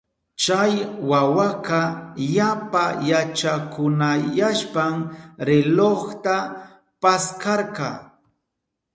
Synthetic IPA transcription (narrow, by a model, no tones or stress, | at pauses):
t͡ʃajwawaqɑjapajat͡ʃakʊnajaʃpamɾɪloχt̪a | paskɑɾqɑ